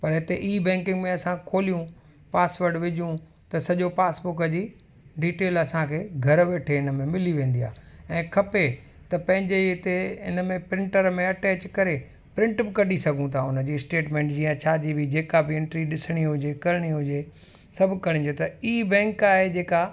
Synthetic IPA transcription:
pɐɾɪt̪eʔiːbɛ̃ːŋkɪ̃ŋɡmẽɐsãkʰoːlijũ | paːsʋəɾɖʋɪd͡ʑʱjũ | t̪ɐsɐʄopaːsbʊkəd͡ʑiː | ɖiːʈeːlɐsãkʰeːɡʱɐɾʋeːʈʰeɪnəmẽmɪliʋẽːnd̪ija̰ːɛ̃ːkʰɐpe | t̪ɐpɐ̃ɦɪ̃ɲd͡ʑeɪt̪eɪ̰nəmẽpɾɪ̃ɳʈəɾmẽɐʈɛːt͡ɕkɐɾe | pɾɪ̃ɳʈbɪkɐɗʱisɐɡʱũt̪ʰaʊnəd͡ʑiːɪsʈeːʈmẽːɳʈd͡ʑiːə̃t͡ɕʰaːd͡ʑibʱid͡ʑeːkabɪɪ̃ɳʈɾiɗɪsɽ̃iɦʊd͡ʑekɐɾɪɽ̃iɦʊd͡ʑe | sɐbʱkɐɽ̃ɪ̃ɲd̪jot̪ɐiːbɛ̃ːŋkaːɦed͡ʑeːka

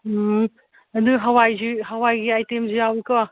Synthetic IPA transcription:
ɐduɦɐwajziɦɐwajɡiajtemzijawikɔ

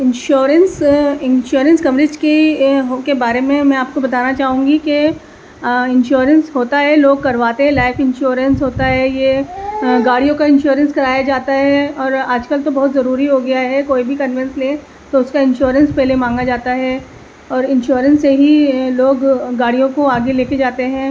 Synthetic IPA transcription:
ɪ̃nʃoːɾə̃nsɪnʃoːɾə̃nskɐʋɾɪd͡ʒkeɦkebaːɾemẽmɛ̃aːp̚kobɐt̪aːnat͡ʃaːɦũːŋɡike | ɪ̃nʃoːɾənsɦoːt̪aɦɛloːɡ̚kɐɾʋaːt̪eɦɛ̃laːɪfɪ̃nʃoːɾənsɦoːt̪aɦɛje | ɡaːɽijõkaɪ̃nʃuːɾə̃nskɐɾaːjad͡ʒaːt̪aɦɛɔːɾaːd͡ʒkəlt̪obɐɦʊt̪zɐɾuːɾiɦoɡɐjaɦɛkoːibʱikɐ̃nʋɪ̃nslẽː | t̪oʊskaɪ̃nʃoːɾə̃nspɛɦlemãːŋɡad͡ʒaːt̪aɦɛ | ɔːɾɪ̃nʃuːɾə̃nsːeɦiloːɡːaːɽijõkoaːɡeleːked͡ʒaːt̪eɦɛ̃ː

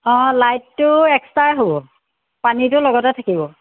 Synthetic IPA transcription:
ɔ̃lajtːʊɛkstaɹɦobɔ | panitʊlɔɡɔtɛtʰakibɔ

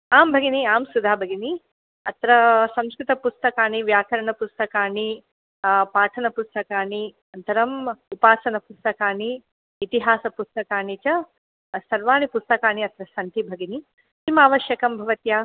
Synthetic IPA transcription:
aːmbʱɐɡiniaːmsud̪ʱaːbʱɐɡini | ɐt̪ɾɐsɐ̃mskɾit̪ɐpust̪ɐkaːniʋjaːkɐɾɐɳɐpust̪ɐkaːni | paːʈʰɐnɐpust̪ɐkaːni | ɐnt̪ɐɾɐmupaːsɐnɐpust̪ɐkaːniː | t̪iɦaːsɐpust̪ɐkaːnit͡ʃɐ | sɐɾʋaːnipust̪ɐkaːniɐt̪ɾɐsɐnt̪ibʱɐɡini | timaːʋɐʃjɐkɐmbʱɐʋɐt̪jaː

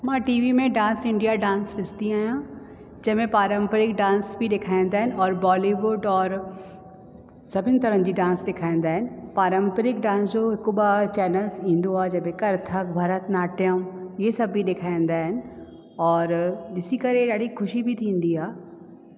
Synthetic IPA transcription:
mãːʈiːʋimẽɖãːnsɪ̃ɳɖijaɖãːnsɾɪst̪iaːɦijã | d͡ʑɐɦmẽpaːɾəmpəɾɪkɖãːnsbʱiɗeːkʰaːĩn̆d̪aːɦɪnɪ̆ɔːɾbɔːliʋʊɖɔːɾ | sɐbʱɪnɪ̆t̪ɐɾə̃d͡ʑiːɖãːnsɗɪkʰaːĩːn̆d̪aːɦɪnɪ̆paːɾəmpəɾɪk̚ɖãːnsd͡ʑoɦɪkoɓat͡ɕɛːnəlzĩːn̆d̪oaːd͡ʑɐɦmẽkɐɾt̪ʰəkbʱɐɾət̪naːʈʰijəmjesɐbʱiɗeːkʰaːĩːnd̪aːɦɪnɪ̆ | ɔːɾɗɪsikɐɾeɗaːɽixʊʃibʱit̪ʰĩːn̆d̪iaː

